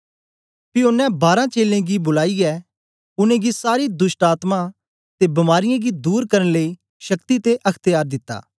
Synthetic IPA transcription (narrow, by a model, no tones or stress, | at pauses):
piʊnːɛ̃baːɾãt͡ʃeːlẽɡibʊlaːiɛ | ʊnẽɡisaːɾid̪ʊsʈaːt̪mã | t̪ebɐmaːɾɪjãɡid̪uːɾkɐɾə̃nləi | ʃɐkt̪it̪eʔɐkʰt̪əjaːɾd̪ɪt̪ːa̰ː